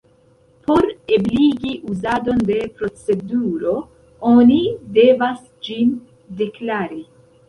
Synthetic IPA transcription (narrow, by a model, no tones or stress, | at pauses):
po̞ɾebliɡiʔuzado̞nde̞pɾo̞t͡se̞duɾo̞ | o̞nide̞vas | d͡ʒin | de̞klaɾi